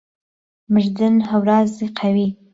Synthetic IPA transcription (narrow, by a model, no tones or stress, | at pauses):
məʒd̪ənhawɾɑzeqʰawi